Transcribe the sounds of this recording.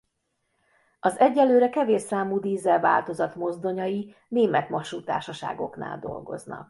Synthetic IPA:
ɒzɛɟːɛlːøːɾɛkɛveːʃːaːmuːd̪iːzɛlva̰ːlt̪o̞zɒt̪mo̞zd̪o̞ɲɒji | neːmɛt̪mɒʃuːt̪a̰ːʃɒʃa̰ːɡo̞̰kna̰ːld̪o̞̰lɡo̞̰znɒ̰k̚

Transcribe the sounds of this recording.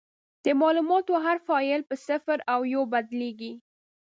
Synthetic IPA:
d̪̥əmɑlumɑt̪oɦaɾfɑɪlpəsɪfɾawjobad̪leɡi

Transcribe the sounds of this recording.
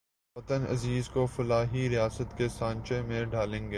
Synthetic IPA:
ʋɐt̪ənɐ̰ziːzkofɐlaːɦiɾijaːsət̪kesãːɲt͡ʃẽmẽɖaːlẽːŋɡe

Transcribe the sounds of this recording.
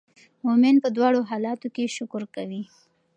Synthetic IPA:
momɪnpəd̪wɑɽoɦɑlɑt̪okeʃʊkʊɾkawi

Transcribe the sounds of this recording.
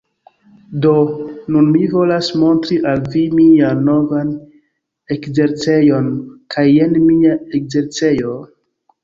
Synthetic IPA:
do̞nunmivo̞lasmo̞ntɾiʔalvimiano̞van | ekzeɾt͡se̞jo̞nkʰajenmiaekze̞ɾt͡se̞jo

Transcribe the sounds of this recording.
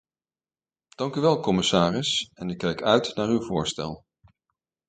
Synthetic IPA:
d̥ɑŋkyʋɛlˠkɔmɪsaːrɪsɛnɪkːɛjkœɥtnaːɹywvʊːɹstɛ̰lˠ

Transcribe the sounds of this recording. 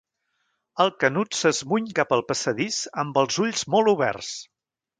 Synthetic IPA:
əlˠkənut̪səzmuɲkapəlˠpəsəðisəmbəlˠzuʎzmɔlˠuβɛ̰rs

